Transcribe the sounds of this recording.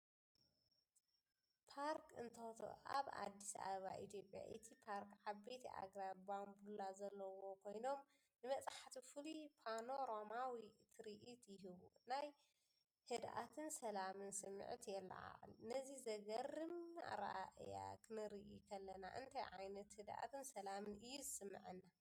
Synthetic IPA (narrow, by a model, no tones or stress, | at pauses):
pʰaɾkʰɨnt̪ʰɐt̪ʰo̰ʔa̰βa̰d̪ːisa̰βɐβaʔit̪jo̞pʼja̰ʔɨt̪ʰipʰaɾkʕaβːet̪ʰiʔa̰ɡɾabambulazɐlːɐwo̞kʰo̞jno̞m | nɨmɐt͡sʼaħat̪ʰifɨlipʰano̞ɾomawit̪ʰɨɾiʔit̪ʰjɪɦɨβṵnaj | hɨd̪ʔa̰t̪ʰɨnsɐlamɨnsɨmːɨ̰ʕt̪jɛlːa̰a̰ʕ̰lnɐzizɐɡɐrɨma̰ɾaʔʔja̰kʰɨnɨɾiʔikʰɐlːɐna̰ʔɨ̰nt̪ʰajʕajnɐt̪hɨd̪ʔa̰t̪ʰɨnsɐlamɨnɨjːuzɨsɨmːɨ̰ʕɨnːa